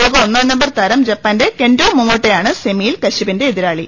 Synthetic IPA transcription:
poːkɐonːɐːnːɐmbɐrt̪ɐɾɐmd͡ʑɐpːaːnde̞kendoːmːumoːʈːejaːɳɨsemijilkɐɕibinde̞iðiɾaːɭi

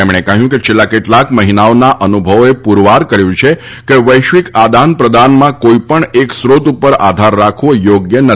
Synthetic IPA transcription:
emɽ̃ekəɦjũket͡ʃʰelːakeʈlakməɦinaonaʔənubʱəʋoepuɾʋaɾkəɾjũt͡ʃʰe | keʋəjʃʋikad̪anpɾəd̪anmãkoipəɳeksɾot̪upəɾa̰d̪ʱaɾːakʰʋojoɡjənə

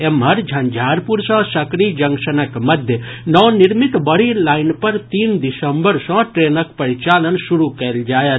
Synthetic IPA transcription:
emɦɐɾd͡ʒʱɐ̃nd͡ʒʱaːɾpuɾsɔ̃sɐkɾid͡ʒɐŋkʃənəkmɐd̪ʱjənɔːnɪɾmit̪bəɽilaːɪnpɐɾt̪iːnd̪ɪsəmbəɾsɔ̃ʈɾeːnəkpɐɾit͡ʃaːlənsuɾukɐld͡ʒaːjə

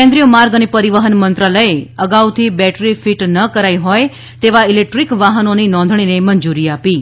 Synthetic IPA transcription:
ẽnd̪ɾijomaɾɡənipəɾiʋəɦənmənt̪ɾaləjeəɡawt̪ʰibɛʈɾifiʈnəkəɾajɦoj | t̪eʋailek̚ʈɾikʋaɦənoninɔ̃nd̪ʱɳ̃inemənd͡ʒuɾiapi

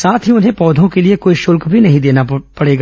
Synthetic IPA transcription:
saːt̪ʰɦiʊnɦẽpɔːd̪ʱõkeliekoːiʃʊlkbʱinɐɦĩd̪eːnapɐɽeːɡa

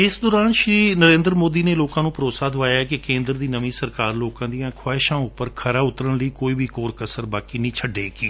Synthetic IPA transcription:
ɪsd̪ɔːɾaːnʃɾiːnəɾẽːnd̪ɾəmoːd̪iːneːloːkãːnũːpəɾoːsaːd̪ʊʋaːjaːɛkɪkẽːnd̪ɾd̪iːnəmĩːsəɾkaːɾloːkãːd̪ijãːkʰaːɪʃãːʊpːəɾkʰəɾaːʊt̪ɾəɳləiːkoːiːbʱiːkoːɾkəsəɾbaːkiːnĩːt͡ʃʰəɖeːkiː

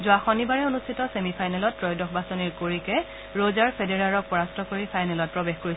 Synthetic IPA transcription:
zʊaxɔnibaɹɛonustʰitɔsemipʰajnɛlɔtpɹɔjdɔxbasɔniɹkoɹikɛ | ɹozaɹpʰedeɹaɹɔk̚pɔɹastʰɔkoɹipʰajnɛlɔt̚pɹɔbexkoɹi

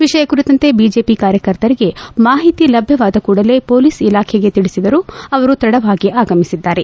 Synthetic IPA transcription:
ʋiʂɐjɐkuɾit̪ɐnt̪e̞biːd͡ʒe̞ːpikaːɾjɐkɐɾt̪ɐɾiɡe̞maːɦit̪ilɐbʱjɐʋaːd̪ɐkuːɽɐle̞po̞ːliːsilaːkʰeɡet̪iɽisid̪ɐɾuɐʋɐɾut̪ɾɐɽɐʋaːɡiʔaːɡɐmisid̪ːaːɾe̞

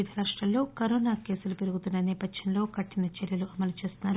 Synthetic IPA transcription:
ud̪ʱɐɾaːʂʈɾɐllo̞ːkɐɾoːnaːke̞ːsulupe̞ɾuɡut̪unːɐniːpɐd̪jɐnlo̞ːkɐʈːinɐt͡ʃɛɾjɐluʔɐmɐlut͡ʃe̞ːst̪unːaːɾu

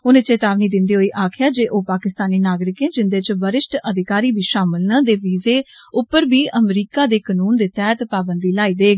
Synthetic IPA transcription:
ʊnẽt͡ʃeːt̪aːʋniːd̪ɪnd̪iːɦoːiːʔaːkʰɪjaːd͡ʒeːʔoːpaːkɪst̪aːniːnaːɡɾɪkẽːd͡ʒɪnd̪eːt͡ʃbəɾɪʃʈəd̪ɪkaːɾiːbʱiːʃaːmɪlnaːd̪eːʋiːzeːʊpːəɾbiːʔəmɾiːkaːd̪eːkənuːnd̪eːt̪ɛːt̪paːbənd̪iːlaːiːd̪eːɡ

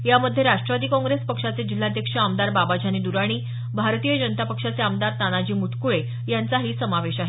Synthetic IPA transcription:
jaməd̪ʱːjeɾaʂʈɾəʋad̪iːkɔ̃ŋɡɾespəkʂat͡sed͡ʑilːad̪ʱjəkʂəamd̪aɾbabad͡ʑʱaniːd̪uɾaɽ̃iː | bʱaɾt̪ijəd͡ʑənət̪apəkʂat͡seamd̪aɾt̪anad͡ʑiːmuʈ̪ʰkuɭe | jant͡saɦiːsəmaʋeɕaɦe

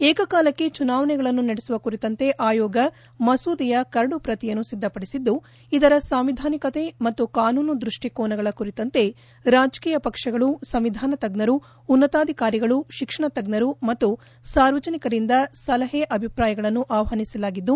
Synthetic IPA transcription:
eːkɐkaːlɐkːe̞t͡ʃunaːʋɐɳɛɡɐɭɐnːunɐɽesuʋɐkuɾit̪ɐnt̪e̞ʔaːjɔːɡɐ | mɐsuːd̪ijɐkɐɾɐɽupɾɐt̪ijɐnːusid̪ʱːɐpɐɽisid̪ːu | id̪ɐɾɐsaːmʋid̪ʱaːnikɐt̪e̞mɐt̪ːukaːnuːnud̪ɾuʂʈikɔːnɐɡɐɭɐkuɾit̪ɐnt̪e̞ | ɾaːd͡ʒkiːjɐpɐkʂɐɡɐɭusɐmʋid̪ʱaːnɐt̪ɐɡnɐɾuː | nːɐt̪aːd̪ʱikaːɾiɡɐɭuʃikʂɐɳɐt̪ɐɡnɐɾumɐt̪ːu | saːɾʋɐd͡ʒɐnikɐɾind̪ɐsɐlɐɦeʔɐbʱipɾaːjɐɡɐɭɐnːuʔaːʋɐɦɐnisɐlaːɡid̪ːu

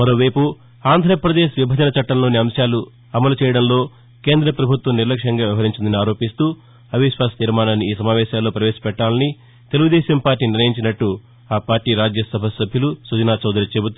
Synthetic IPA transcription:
mɐɾo̞ːʋɐjpu | aːnd̪ʱɐɾɐpɾɐd̪eːʃʋibʱɐd͡ʒɐnɐt͡ʃɐʈːɐmlo̞ːniɐmʃjaːlu | ɐmɐlut͡ʃɛːjɐɽɐmlo̞ː | ke̞ːnd̪ɾɐpɾɐbʱut̪ʋɐmniɾlɐkʂɐŋɡaːʋjiʋɐɦɐɾiɲt͡ʃind̪ɐniaːɾo̞ːpist̪uː | ɐbʱiʃʋaːst̪iɾmaːnɐniiːsɐmaːʋɛːʃaːlːo̞ːpɾɐʋɛːsɐ̥pɛʈːaːlɐni | t̪e̞luɡud̪ɛːʃɐmpaːɾʈːiːniɾnːɐjiɲt͡ʃinɐʈːu | aːpaːɾʈiːɾaːd͡ʒjɐsɐbʱɐsɐbʱjɐlusud͡ʒɐnaːt͡ʃɐwd̪ɐɾit͡ʃebut̪u

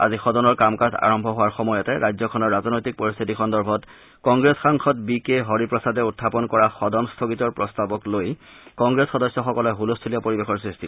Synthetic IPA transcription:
a̰zixɔdɔnɔɹkamkata̰ɹɔmbʱɔɦowaɹxɔmɔjɔtɛɹajzɔkʰɔnɔɹːaznojtik̚poɹist̪ʰitikʰɔndɔɹbʱɔt | kɔŋɡɹesxaŋxʰɔtbikeɦoɹipɹɔsadɛutʰːapɔnkɔɹaxɔdɔnstʰokitɔɹpɹɔstabɔkloj | kɔŋɡɹesxɔdɔsjɔxɔkɔlɛɦulostʰiliɔpoɹibexɔɹsɹistʰi

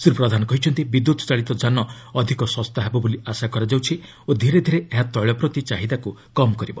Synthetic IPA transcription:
suɾupɾɔd̪ʱanɔkɔɦit͡ʃʰɔnt̪ibid̪ut̪ɔ̥t͡ʃaɭit̪ɔd͡ʒanɔ | ɔd̪ʱikɔsɔst̪aɦebɔboliasakɔɾad͡ʒawt͡ʃʰi | od̪ʱiɾed̪ʱiɾeʔeɦat̪ɔɭɔpɾɔt̪it͡ʃaɦid̪aku | kɔmɔkɔɾibɔ

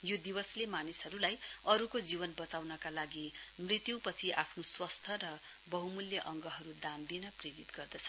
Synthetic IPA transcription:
jod̪iwʌslemanisɦʌɾulajʌɾukod͡ziβʌnbʌt͡sawnʌkalaɡimrit̪jupʌt͡sʰiʔapʰnoswʌst̪ʰʌɾʌ | bʌɦumuljʌʔʌŋɡʌɦʌɾud̪and̪inʌpreɾit̪ɡʌrd̪ʌt͡sʰʌ̥

